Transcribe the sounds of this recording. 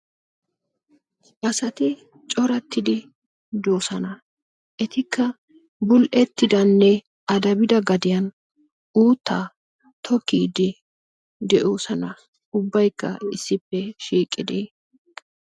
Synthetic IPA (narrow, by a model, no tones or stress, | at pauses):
ʔɐsɐt̪ɪ | t͡ʃʼɔɾɐt̪ːɪd̪ɪ | d̪oːsɐnɐ | ʔɛt̪ɪkːɐ | bʊlʔɛt̪ːɪd̪ɐnːɛ | ɐd̪ɐbɪd̪ɐɡɐd̪ɪjɐn | uːt̪ːaː | t̪ʰɔkːiːd̪ɪ | d̪ɛʔo̞ːsɐnɐ | ʊbːɐjkːɐɪsːɪpːɛʃiːkʼːɪd̪eː